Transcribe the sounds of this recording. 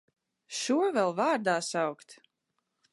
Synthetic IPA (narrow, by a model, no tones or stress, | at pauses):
ʃuɔvɛlˠvaːɾd̪aːsawkt̪